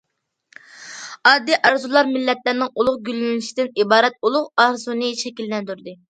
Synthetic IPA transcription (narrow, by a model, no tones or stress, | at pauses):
ɑd̪ːiʔɑɾzulˠɑɾmɪlːɛt̪læɾnɪŋulˠʊʁɡʲylynɪʃid̪ɪnibɑːɾɛt̪̚ulˠʊqɑɾzunɨʃɛkʲilːɛnd̪yɾd̪ɨ